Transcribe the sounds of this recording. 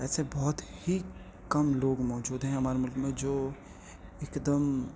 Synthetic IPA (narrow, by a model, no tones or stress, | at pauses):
ɛːsebɔːt̪hi | kɐmloːɡmɔːd͡ʒuːd̪ɦɛ̃ɦɐmaːɾemʊlkmẽd͡ʒoː | ekd̪əm